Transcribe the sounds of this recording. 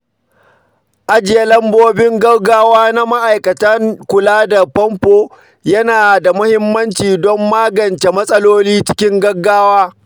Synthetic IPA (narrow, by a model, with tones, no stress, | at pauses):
ʔa˦d͡ʒɪ˨ja˦lɐ˦mboː˦bɪ˦ŋɡɐ˦ɡaː˦waː˦na˦ma˦ʔa˨jkɐ˨tɐ˦ŋkʷʊ˨laː˦da˨pɔ˦mɸoː˨ | jɐ˦naː˨da˨mʊ˦hɪ˦mːɐ˦nt͡ʃiː˨dɔ˦mːaː˦ɡɐ˨nt͡ʃe˨mɐ˦sʼɐ˦loː˦liː˦t͡ʃɪ̥˦kʲɪ˦ŋɡɐ˦ɡːaː˦waː˦